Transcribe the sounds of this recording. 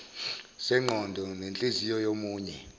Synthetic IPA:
sɛŋ͡ǃʱɔndʱɔnent͡ɬʼezijɔjomuːɲɛ

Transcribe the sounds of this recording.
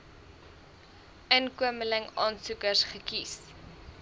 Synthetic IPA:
ənkuəmələŋɑːnsukərsχəkis

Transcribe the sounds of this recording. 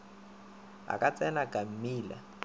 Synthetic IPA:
a̰kʼat͡sʼɛnakʼam̩miːla̰

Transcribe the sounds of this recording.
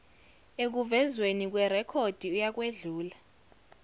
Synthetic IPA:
ek̬uvɛzwenik̬ʼwɛrɛkʰod̥ʱiujak̬ʼweɮuːla

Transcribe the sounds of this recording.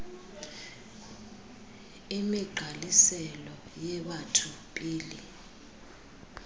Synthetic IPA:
imiɡ͡ǃʱalisɛlɔjɛɓatʰupʼiːlḭ

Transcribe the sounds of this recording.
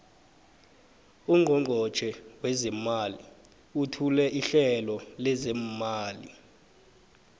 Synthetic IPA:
uŋʱɔŋʱɔ̥t͡ʃʰɛwɛzɛmalḭ | utʰulɛʔiɬɛlɔlɛzɛmaːlḭ

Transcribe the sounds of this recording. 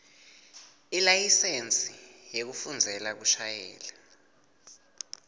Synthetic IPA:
ilajisent͡sʼijek̬ufund͡zʱɛlak̬uʃajɛ̰ːla

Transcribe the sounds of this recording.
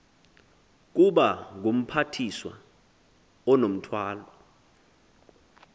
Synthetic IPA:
k̬uɓaŋɡ̬um̩pʰatʰiswa̰ | ɔnom̩tʰwaːlɔ

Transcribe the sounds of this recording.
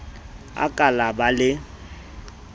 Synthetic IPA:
a̰kʼalabalɪ

